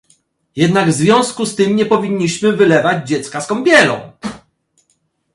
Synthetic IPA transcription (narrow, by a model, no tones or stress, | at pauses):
jɛd̪naɡvzvʲjɔ̃w̃skust̪ɘmɲɛpɔvʲiɲːiɕmɘvɘlɛvad͡ʑd͡ʑɛt̪skaskɔmbʲjɛlɔ̰̃w̃